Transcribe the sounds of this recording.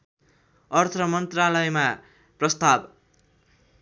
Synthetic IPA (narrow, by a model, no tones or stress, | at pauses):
ʌrt̪ʰʌmʌnt̪ralʌjma | prʌst̪ab